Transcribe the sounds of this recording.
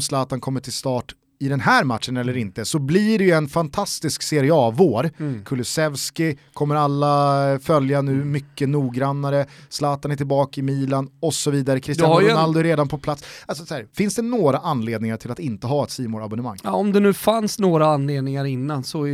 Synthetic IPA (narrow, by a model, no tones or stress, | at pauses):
mslɑːt̪ankʰɔmːəʈʰɪlst̪ɑːʈ | ɪd̪ɛnhæːɾmat̪ʂənɛlːəɾɪnt̪əsɔbliɖɛjɵɛnfant̪ʰast̪ɪskseɾɪɑːvoːɾkʰɵlɵsɛvskɪkʰɔmːəɾalːafœljanʉ̟ːmʏkːənuːɡɾanːaɾəslɑːt̪anæʈʰɪlbɑːkaɪmiːlanɔsɔviːd̪aɾəkʰɾɪst̪d̪aaɾʊnald̪ʊɛɾeːd̪anpʰɔpʰlat̪salsɔshæːɾfɪnsd̪ɛnoːɾaʔanleːd̪nɪŋaʈʰɪlat̪ɪnt̪əɦɑːɛt̪siːmoːɾabʊnəma̰ŋːɔmd̪ɛnʉ̟ːfansnoːɾaanleːd̪nɪŋaɾɪnːansɔ